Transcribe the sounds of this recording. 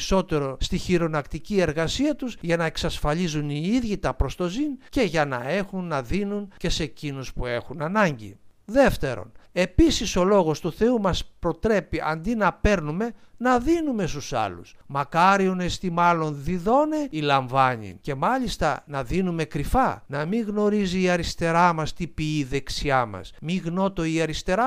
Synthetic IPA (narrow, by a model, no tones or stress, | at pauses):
so̞t̪e̞ɾo̞st̪içiɾo̞nɐkt̪icie̞ɾɣɐsiɐt̪uzʝɐnɐeksɐsfɐʎizuniiðʝit̪ɐpɾo̞st̪o̞zince̞ʝɐnɐ̰e̞xunːɐðinunce̞se̞cinuspue̞xunɐnɐɲɟḭðe̞ft̪e̞ɾo̞̰ne̞pisiso̞lo̞ɣo̞st̪uθe̞umɐspɾo̞t̪ɾe̞piʔɐ̰nd̪inɐpe̞ɾnume̞nɐðinume̞st̪usɐ̰lṵsmɐkɐɾione̞st̪imɐlo̞nðiðo̞ne̞ilɐɱvɐɲḭnce̞mɐʎist̪ɐ̰nɐðinume̞kɾifɐnɐmiɣno̞ɾiziːɐɾist̪e̞ɾɐmɐst̪ipiiːðe̞ksiɐmɐ̰smiɣno̞t̪o̞iɐɾist̪e̞ɾɐ